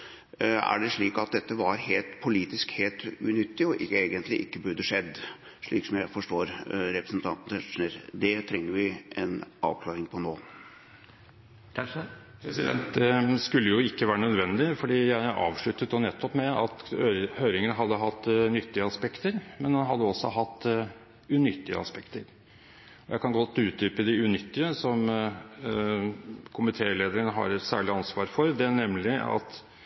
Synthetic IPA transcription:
æ̰ɖɛʂɭiːkɑt̪̚d̪ɛt̪ːəʋɑɾheːlt̪pʰʊliːt̪ɪskheːlt̪ʉnʏt̪ːɪɔʔɪeːɡənt̪ʰlɪʔɪkːəbʉɾd̪əʂɛd̪ːʂɭiːksɔmjæɪfɔʂʈoːɾɾɛpɾəsnt̪ʰɑnt̪n̩ɛʂnəɾd̪ɛt̪ʰɾɛŋːəɾʋɪʔɛnɑ̰ːʋkʰlɑːɾɪŋpʰɔnoː | pʰɾɛsɪd̪ɛ̰nt̪d̪skʉlːəjʊɪkːəʋæːɾənœd̪ʋɛnd̪ɪfɔɖiːjæɪʔɑ̰ːʋʂɭʉt̪ːət̪ɔnɛt̪ʰːɔpmɛɑt̪ːhøːɾɪŋənəɦɑd̪ːəɦɑt̪ːnʏt̪ːɪəɑspɛkt̪əɾmɛnd̪ɑnɦɑd̪ːəɔsːɔɦɑt̪ː | ʉnʏt̪ːɪə̰ɑ̰spɛkt̪əɾ | ɔjæ̰ɪkʰɑnɡɔt̪ːəʉːt̪ʏːpəd̪ɪʉnʏt̪ːɪəsɔm | kʰʊmɪt̪ʰeːɭeːd̪əɾənəɦɑ̰ɾɛt̪sæ̰ːɭɪɑnsʋɑːɾfɔɾd̪ɛnɛmːlɪɑ̰t̪

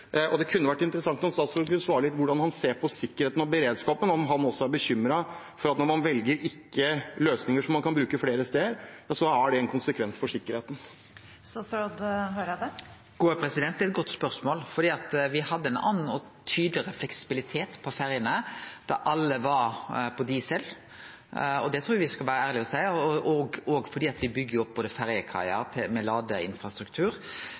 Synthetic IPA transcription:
ʔɔd̪ɛkʰʉnːəʋæʈːɪnt̪əɾəsɑŋt̪nɔnst̪ɑːt̪sɾɔd̪kʰʉnəsʋɑːɾəlɪt̪ːʋʊɖɑnhɑnseːɾpʰɔsɪkːəɾheːt̪nɔbəɾeːd̪skɑːpənɔmɦɑnɔsːɔæɾbəɕʏmːɾɑ | fɔɾɑt̪nɔɾmɑnʋɛlɡəɾɪkːəløːsnɪŋəʂɔmːɑnkʰɑnbɾʉːkəfleːɾəst̪eːəɾjɑsɔæɖɛɛnkʰʊnsəkʰʋɛnsfɔʂɪkːəɾheːt̪n | st̪ɑsɾɔd̪høːɾd̪ɛ | ɡ̥oːpʰɾɛsɪd̪ɛnt̪d̪ɛt̪̚ɡɔt̪ːspœɾsmoːlfɔɖ̪iːɑt̪ʋɪhɑd̪ːəɛnɑ̰ːn̩ːɔ | t̪ʰyːd̪lɪɾəflɛksɪ̥bɪlɪt̪ʰeːt̪pʰɔfæɾjənəd̪̥æʔɑlːəʋɑɾpʰɔd̪iːsəl | ɔd̪ɛt̪ʰɾuːɾjɑʋɪskɑlʋæːɾəæːʁɾlɪɔsæɪʔɔɡoːɡfɔɖiːɑt̪ʋɪbʏɡːəɾjʊɔp̚ːboːd̪əfæɾjəkʰɑ̰ɪəɾt̪ʰɪmɛlɑːd̪əɪ̰nfɾɑst̪ɾʉkt̪ʰʉːɾ

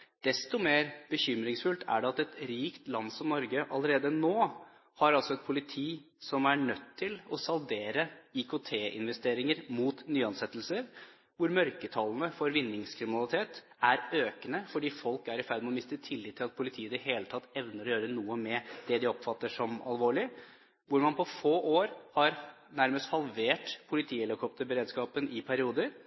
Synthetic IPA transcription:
d̪̥ɛst̪ɔmeːɾb̥əçʏmɾɪŋsfʉlt̪ʰæ̰ɖɛɑt̪ɛt̪ɾiːkt̪lɑnsɔmnɔɾɡəʔɑ̰ləɾeːd̪ənoː | hɑɾɑlsɔɛt̪̚pʰʊlɪt̪ʰiː | sɔmæɳœt̪ʰːɪlɔsɑld̪eːɾəɪkʰʊt̪ʰeːʔɪ̰nʋɛst̪eːɾɪŋəɾmuːt̪nyːɑnsɛt̪ːl̩səɾ | ʋʊɾmœɾkət̪ʰɑlˠn̩əfɔɾʋɪnːɪŋskʰɾɪmɪnɑlˠɪt̪ʰeːt̪ | æɾøːkənəfɔɖiːfɔlkæɾɪfæɾd̪mɛɔmɪst̪ət̪ʰɪlːɪt̪ʰːɪlɑt̪pʰʊlɪt̪ʰiːəd̪ɛɦeːlət̪ʰɑt̪ːɛʋnəɾɔjøːɾənuːəmɛd̪̥ɛd̪ɪɔpfɑt̪ːəʂɔmɑ̰lʋoːɭɪ | ʋʊɾmɑnpʰɔfoːʔoːɾhɑɾ | næɾməst̪hɑlʋeːʈpʰʊlɪt̪ʰiːɛlɪkʰɔpt̪əɾbəɾeːd̪skɑːpənʔɪpʰæɾɪuːd̪əɾ

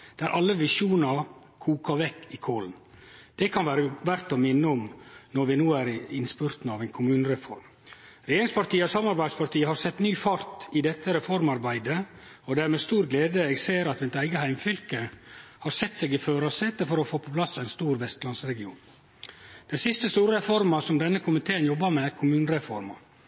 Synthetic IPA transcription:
d̪̥æɾʔɑlːəʋɪʃuːnɑ | kʰuːkɑʋɛkːɪkʰoːln | d̪̥ɛkʰɑnʋæːɾəʋæɾt̪ɔmɪnːəɔmnɔɾʋɪnuːæɾɪnspʉɾt̪nəɑʋæɪnkʰʊmʉːnəɾɛfɔɾm | ɾɛjeːɾɪŋspɑɾt̪iːəɔsɑmɑɾbæɪd̪spɑɾʈ̪ʰiːəhɑɾsɛt̪ːnyːfɑɾt̪ɪd̪ɛt̪ːəɾɛfɔɾmɑɾbæɪd̪ə | ɔd̪æːɾmeːst̪uːɾɡleːd̪əeːɡseːɾɑt̪ʋɛɪt̪æɪɡəhæɪmfʏlkəhɑɾsɛt̪ːseːɡɪføːɾɑsɛt̪əfɔɾɔfoːpʰɔpʰlɑsːæɪnst̪uːɾʋɛst̪lɑnsɾɛɡɪṵːn | d̪̥ɛnsɪst̪əst̪uːɾəɾɛfɔɾmɑsɔmd̪ɛnːəkʰʊmɪt̪ʰeːənjɔbːɑmɛkʰʊmʉːnəɾɛfɔɾmɑ̰

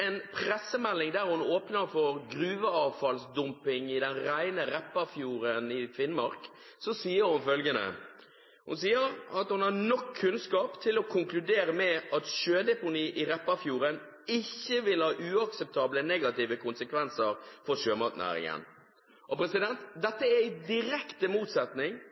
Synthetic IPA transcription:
ɛnpʰɾɛsːəmɛlːɪŋd̪æːɾhʊnoːpnəɾfɔɾɡɾʉːʋəɑːʋfɑlsd̪ʊmpɪŋɪd̪ɛnɾæɪnəɾɛpːɑfjuːɾənɪffɪnmɑɾk | sɔsiːəɾhʊnfœlɡənə̰ | hʊ̰nsiːəɾɑt̪hʊnhɑnɔkʰːʉnskɑːpt̪ʰɪlɔkʰʊŋklʉd̪eːɾəmɛʔɑt̪ʃøːd̪ɛpʊniːʔɪɾɛpːɑfjuːɾən | ɪçːəʋɪlhɑːʔʉːɑksɛp̚t̪ʰɑːblənɛːɡɑt̪iːʋəkʰʊnsəkʰʋɛnsəɾfɔɾʃøːmɑt̪næ̰ːɾɪ̰ŋə̰n | ʔɔpɾɛsɪd̪ɛnt̪d̪ɛt̪ːəæɪd̪ɪɾɛkt̪əmuːt̪sɛt̪nɪŋ

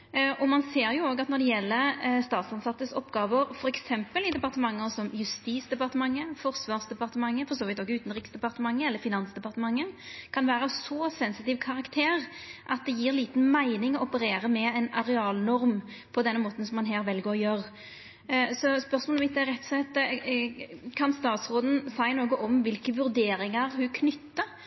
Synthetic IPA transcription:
ʔɔmɑnseːɾjʊoːɡɑt̪nɔɾd̪ɛjɛlːəst̪ɑːt̪sɑnsɑt̪ːəsɔpːɡɑːʋəɾfɔɾɛksɛmpəlɪd̪ɛpɑʁt̪əmɑŋːɔsɔmjʉst̪iːsd̪ɛpɑʁt̪əmɑŋːəfɔɾsʋɑːʁsd̪ɛpɑɾt̪əmɑŋːəfɔɾsoːʋɪt̪ɔːɡəʉːt̪n̩ɾiːksd̪ɛpɑɾt̪əmɑŋːəɛlːəɾfɪnɑnsd̪ɛpɑɾʁt̪əmɑŋːəkʰɑnʋæːɾəɑsɔsɛnsɪt̪ɪːʋkʰɑʁɑkt̪ʰeːʁʔɑt̪̚d̪ɛjiːɾliːt̪n̩mæɪnɪŋɔɔpəɾeːɾəmɛɛɪnɑɾɛɑːlnɔɾm | pʰɔd̪ɛnːəmoːt̪n̩sɔmːɑnɦeːɾʋɛlɡoːʁɔjøɾ | sɔspœʁsmoːlɔmʋɪt̪ːɛɾɛt̪ːsɛt̪ː | kʰɑnst̪ɑːt̪sʁoːd̪n̩sæɪnoːɡəʔɔmʋɪlkəʋʉɾd̪eːɾɪŋəɾhʉkʰnʏt̪ːə

